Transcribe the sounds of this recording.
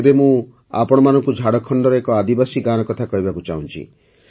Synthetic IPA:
ebemũ | a̰pɔɽ̃ɔmanɔŋkud͡ʒʱaɽɔkʰɔɳɖɔɾɔekɔad̪ibasiɡanɔkɔt̪ʰakɔɦibakut͡ʃa̰ɦũnt͡ʃʰḭ

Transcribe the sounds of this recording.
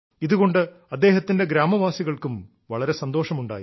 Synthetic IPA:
iðuɣo̞ɳɖɨ | ɐd̪ːe̞ːɦɐt̪ːinde̞ɡɾaːmɐʋaːsiɣɐɭkum | ʋɐɭɐɾe̞sɐnd̪o̞ːʂɐmuɳɖa̰ːji

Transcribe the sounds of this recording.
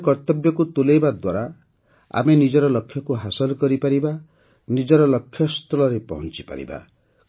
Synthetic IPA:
kɔɾt̪ɔbjɔkut̪ulejbad̪waɾa | a̰menid͡ʒɔɾɔlɔkʰːjɔkuɦasɔlɔkɔɾipaɾiba | nid͡ʒɔɾɔlɔkʰːjɔst̪ɔlɔɾepɔ̰ɦɔ̃nt͡ʃipa̰ɾḭba̰

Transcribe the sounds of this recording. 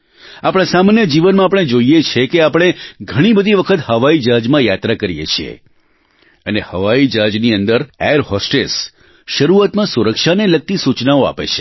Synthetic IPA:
apəɽ̃ãsamanjəd͡ʒiʋənmãːpəɽ̃ed͡ʒoijet͡ʃʰekeapɽ̃eɡʱəɽ̃ibəd̪ʱiʋəkʰət̪həʋaid͡ʒad͡ʒmãjat̪ɾakəɾijḛt͡ʃʰiḛ | ənehəʋaid͡ʒad͡ʒniənd̪əɾeɾɦɔsʈes | ʃəɾuat̪mãsuɾəkʃaneləɡ̚t̪isut͡ʃnaoa̰pḛt͡ʃʰe̥

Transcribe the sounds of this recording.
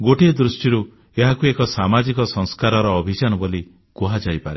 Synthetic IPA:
ɡoʈed̪ɾusʈiɾu | eɦakuekɔsamad͡ʒikɔsɔŋskaɾɔɾɔːbʱit͡ʃanɔboli | kuɦad͡ʒajpaɾe

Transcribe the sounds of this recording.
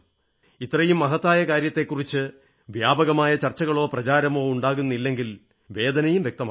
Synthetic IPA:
it̪ːrɐjumːɐɦɐt̪ːaːjɐkaːɾjɐt̪ːe̞kːurit͡ɕːɨ | ʋjaːbɐɣɐmaːjɐt͡ɕɐrt͡ɕːɐɣɐɭo̞ːprɐt͡ɕaːɾɐmo̞ːuɳɖaːɣunːilːe̞ŋɡil | ʋe̞ːd̪ɐnɐjumʋjek̚t̪ɐmaː

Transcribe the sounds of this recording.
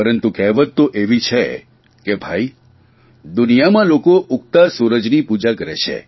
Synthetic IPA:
pəɾənt̪ukɛɦʋət̪t̪ːoʔeʋit͡ʃʰe | kebʱai | d̪unijamãlokoʔuk̚t̪asuɾəd͡ʒnipud͡ʒakəɾet͡ʃʰḛ

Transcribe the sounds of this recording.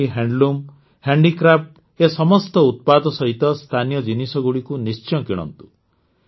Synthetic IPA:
iɦeɳɖlum | heɳɖikɾap̚ʈ | esɔmɔst̪ɔut̪̚pad̪ɔsɔɦit̪ɔst̪ʰanijɔd͡ʒinisɔɡuɭikunist͡ʃɔkiɽ̃ɔ̰nt̪u̥

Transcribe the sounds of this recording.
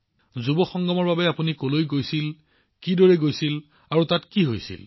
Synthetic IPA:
zubɔxɔŋɡɔmɔɹbabɛapunikolojɡojsil | kidɔɹɛɡojsil | aɹutatkiɦojsḭl

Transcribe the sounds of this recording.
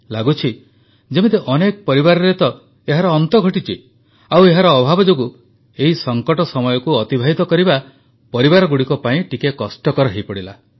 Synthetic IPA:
laɡut͡ʃʰi | d͡ʒemit̪eʔɔnekɔpɔɾibaɾɔɾet̪ɔ | eɦaɾɔːnt̪ɔɡʱɔʈit͡ʃʰi | aweɦaɾɔːbʱabɔd͡ʒoɡu | eɦisɔŋkɔʈɔsɔmɔjɔkuɔt̪ibʱaɦit̪ɔkɔɾiba | pɔɾibaɾɔɡuɽikɔpaĩʈikekɔsʈɔkɔɾɔɦejpɔɽila̰

